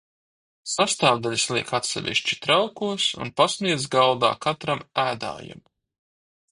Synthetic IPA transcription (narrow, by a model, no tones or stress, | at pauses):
sast̪aːvd̪aʎʲislˠiɛkat̪sɛ̰vʲḭʃt͡ʃi̥t̪ɾawkuɔsṵnpasniɛzɡalˠd̪a̰ːkat̪ɾamæːd̪a̰ːja̰m